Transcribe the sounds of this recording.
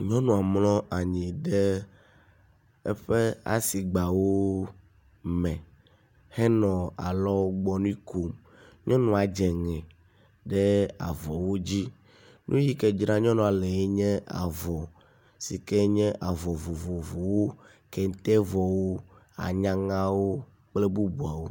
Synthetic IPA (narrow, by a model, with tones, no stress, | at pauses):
ɲɔ̃˦nũ˨a˨mlɔ̃˦ʔa˨ɲĩ˨ɖɛ˦ | ɛ˦ɸɛ˦a̰˨si˨ɡ͡ba˨wo˦ | mɛ̃˨ | hɛ˦nɔ̃˨a̰˨lɔ˦ɡ͡bɔ˦nũ˦ĩ˦ko˨m | ɲɔ̃˦nũ˨a˨d͡ʒɛ˨ŋɛ̃˨ | ɖɛ˦a̰˨vɔ˨wo˦d͡ʑi˦ | nʔũ˦ji˦kɛ˦˨d͡ʒɾã˦ɲɔ̃˦nɔ̃˨a˨le˨e˦ɲɛ̃˦a̰˨vɔ˨ | si˨kɛ˦ɲɛ̃˦ʔa˨vɔ˨vo˨vo˨vo˨wo˦ | kɛ˨ŋ̩˦t̪ɛ˦vɔ˨wo˦ | a̰˨ɲã˦ŋã˦wo˦ | k͡ple˦bu˦bu˨a˨wo˦